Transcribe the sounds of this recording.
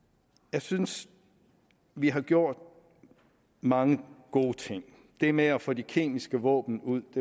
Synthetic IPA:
jɑ̈ɪsyns | ʋiɦɑ̈ɡ̥jo̝ɐ̰d̥ | mɑ̈ŋəɡ̥o̝̰ːt͡sʰe̝ŋ̰ | d̥e̝meæfɔːd̥ikʰe̝̰ːmisɡ̥əʋɔ̰̽ːb̥n̩uð̰ˠd̥e̝

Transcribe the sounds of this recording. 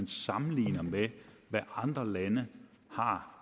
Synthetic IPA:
nsɑ̈mn̩lḭːnɐmeʋæʔɑ̈nd̥ʁɐlænə | hɑ̈

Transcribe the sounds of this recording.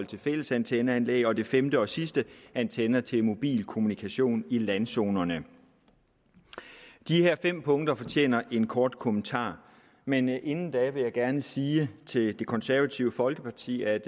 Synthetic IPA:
ɒl̰t͡sʰe̝lfel̰əsænt͡sʰenəænlḛɡɒ̽d̥e̝femd̥əɒ̽sisd̥əænt͡sʰenɐt͡sʰe̝lmo̝b̥ḭːlkʰo̝munikʰæɕo̝̰ːnilænso̝ːnɐnə | d̥iheɐ̰fem̰pʰɔ̽ŋd̥ɐfɒ̽t͡ɕʰḛːnɐʔe̝nkʰɒːd̥kʰo̝mənt͡sʰɑ̰̈ː | mene̝nn̩d̥ɛʋe̝jɑ̈ɪɡ̥æɐnəsiːt͡sʰe̝ld̥e̝kʰɒ̽nsæɐʋæt͡sʰiʊəfɒ̽lɡ̥əpʰɑ̈t͡sʰḭːæd̥

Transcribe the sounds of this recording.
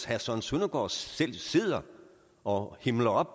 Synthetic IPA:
hæsɒnsunɐɡ̥ɒ̰ːel̰seð̞̰ˠɐ | ʔɒ̽hemlɐɒ̽b̥

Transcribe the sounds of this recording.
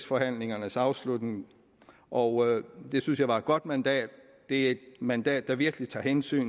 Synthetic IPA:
sfɒ̽hæn̰le̝ŋɐnəsɑ̈ʊslud̥neŋ | ʔɒʊd̥e̝synsjɑɪʋɑ̈ed̥̚ɡ̥ɒ̽d̥mænd̥ɛ̰ːd̥ː | e̝æe̝d̥̚mænd̥ɛ̰ːd̥ːɑ̈ʋiɐɡ̥əlit͡sʰɑ̰̈ːhensy̰ːn

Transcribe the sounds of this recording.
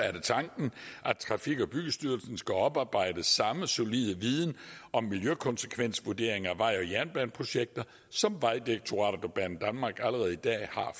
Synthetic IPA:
æɐɾe̝t͡sʰɑ̈ŋɡ̥n̩ʔæ̥t͡sʰʁɑ̈fiɡ̥ɒb̥yɡ̥əsd̥yɐlsn̩sɡ̥æɒ̽b̥ɑ̈ːb̥ɑ̈ɪ̰d̥əsɑ̈məso̝lið̞ˠəʋiðˠn̩ʔɒ̽mːiljøkʰɒ̽nse̥kʰʋen̰sʋuɐd̥e̝̰ɐ̰e̝ŋæʋɑ̈ɪ̰ɒ̽jæɐnb̥ænpʰʁo̝ɕeɡ̥̚d̥ɐ | sɒ̽mʋɑ̈ɪd̥ieɡ̥̚t͡sʰo̝ʁɑ̰̈ːɾd̥ɒb̥ænn̩d̥ænmɑ̈ːɡ̥æləʁɛð̞̩ˠid̥ɛ̰ːhɑ̈

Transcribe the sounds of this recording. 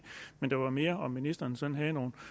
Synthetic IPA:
mend̥ɑ̈ʋɑ̈me̝ːɐɒ̽mːinisd̥ɐːnsɒ̽nnɦɛðˠno̝ːn̩

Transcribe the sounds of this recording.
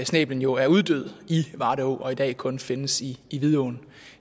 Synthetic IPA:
snḛːb̥lən̩jo̝æɐuð̞ˠd̥øð̞̰ˠiʋɑ̈ːɾeo̝̰ːʔɒ̽id̥ɛ̰ːkʰɔ̽nfe̝nəsiːʋiðˠoːn

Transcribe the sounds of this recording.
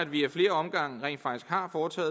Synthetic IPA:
æd̥ʋiæfle̝ːɐɒ̽mɡ̥ɑ̈ŋ̰ʁɛ̰ːnfɑ̈ɡ̥isɡ̥hɑ̈ːfɒːt͡sʰɛ̰ːð

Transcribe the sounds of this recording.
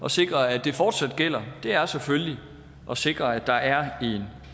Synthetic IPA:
ɒ̽se̝ɡ̥ʁɐæd̥e̝fɒːd̥sæd̥ɡ̥el̰ɐd̥e̝æɐsefølli | ʔɒ̽se̝ɡ̥ʁɐæd̥ɑ̈æɐe̝n

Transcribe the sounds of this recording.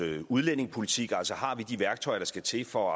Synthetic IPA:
øuð̞ˠlen̰e̝ŋpʰo̝lit͡sʰiɡ̥æl̰sɒhɑ̈ʋid̥iʋæɐɡ̥̚t͡sʰɒ̽ɪɐɾ̥ɑ̈sɡ̥æt͡sʰe̝fɒ

